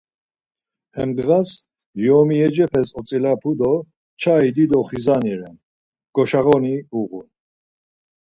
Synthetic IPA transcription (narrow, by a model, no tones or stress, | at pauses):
hɛmd̪ɣas | jɔmiɛd͡ʒɛpʰɛsɔt͡sʼilapʰud̪ɔ | t͡ʃʰaid̪id̪ɔχizaniɾɛn | ɡ̥ɔʃaʁɔniuɣun